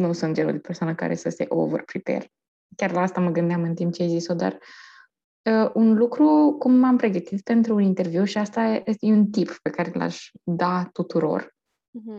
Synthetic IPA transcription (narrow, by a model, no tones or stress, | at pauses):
nusunt̪d͡ʒeɾṵd̪epe̞rsoanəka̰ɾe̞̰səse̞̰ʔo̰və̰rpɾit̪ḛr | kʲarlaast̪aməɡɨnd̪eamɨnt̪impt͡ʃeajzisod̪a̰r | əʔunlukɾukumːampɾe̞ɡət̪it̪pe̞nt̪ɾuːnint̪e̞rvjuwʃiast̪aejeunt̪ippe̞kaɾe̞la̰ʃʲd̪at̪ut̪uɾo̞̰r